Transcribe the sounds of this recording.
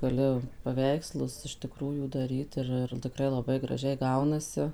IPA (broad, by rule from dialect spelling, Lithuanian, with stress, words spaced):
ɡɐˈlʲʊ pɐˈʋʲɛɪkslˠʊs ɪʃ tʲɪˈkruːjuː dɐˈrʲiːt ˈɪr ɪr tʲɪˈkrɐɪ lˠɐˈbɐɪ ɡrɐˈʒʲɛɪ ˈɡɐʊnɐsʲɪ